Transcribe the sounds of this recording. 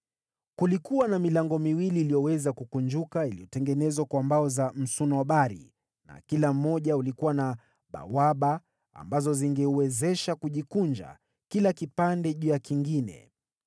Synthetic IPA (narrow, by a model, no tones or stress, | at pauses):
kulikuwanamilaŋɡɔmiwiliːlijɔwɛzakukund͡ʒukailijɔtɛŋɡɛnɛzwakwambaɔzam̩sunɔwaɓaɾḭ | na̰kilam̩ːɔʄaulikuwana | ɓa̰waɓa̰ː | mbazɔziŋɡɛuwɛzɛʃakuʄikund͡ʒa̰ | kilakipandɛʄujakiŋɡinɛ̰